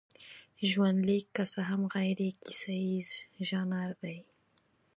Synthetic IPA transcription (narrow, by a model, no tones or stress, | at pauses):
ʒwand̪likːasaɦamɣajɾekisaizʒɑnaɾd̪aj